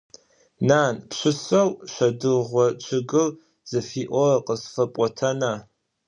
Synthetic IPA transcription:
naːnpɕʷɨsɐwʃʷɐdɨʁʷɔt͡ʃʷʰɪɡɨl | z̥ɨfiːʔʷɔqəsfɐpʷʼɔtʰɐna

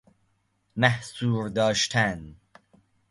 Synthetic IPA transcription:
mæhsuːɾd̪ɑːʃt̪ʰæn

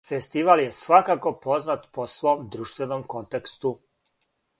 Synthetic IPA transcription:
fest̪iʋalje̞sʋakako̞po̞znat̪posʋo̞ːmd̪ɾuːʃt̪ʋe̞nomko̞nt̪ekst̪u

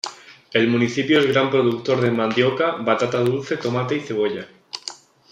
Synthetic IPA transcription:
e̞lmũniθipjoezɣ̞ɾampɾoðuk̚t̪o̞ɾðe̞mãnd̪jokaβat̪at̪að̞ulθe̞t̪o̞mat̪eiθe̞β̞o̞ʎa

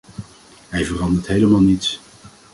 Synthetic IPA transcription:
ɦɛjvərɑndəɹtɦejləmaːlˠnits

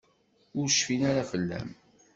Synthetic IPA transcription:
ʊɾʃfinaɾafəlːæ̰m

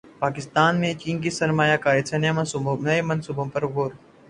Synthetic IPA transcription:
paːkɪst̪aːnmẽt͡ʃiːnk̬isɐɾmaːjakaːɾet̪senjemɐnsũnɐemɐnsuːbõpɐɾɡoːɾ

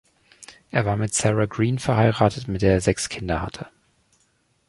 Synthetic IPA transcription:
ʔeːɐvaːɐmɪtsɛʁaɡʁiːnfɛɐhaɪʁaːtʰətmɪtd̥eːɐeːɐzɛkskʰɪndɐha̰tʰə

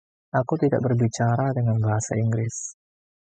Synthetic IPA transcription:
ʔakut̪ida̰ʔ̚bərbit͡ʃaɾadəŋanbaɦasa̰iŋɡɾɪs

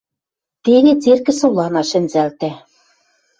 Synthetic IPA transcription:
t̪eɣet͡serkɘ̆sŏlˠɑnɑʃɘ̆nzælt̪æ̆

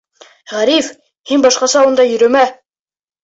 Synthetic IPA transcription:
ʁæɾif | hinbɑʃqɑsɑund̪ɑjɵ̆ɾɵ̆mæ

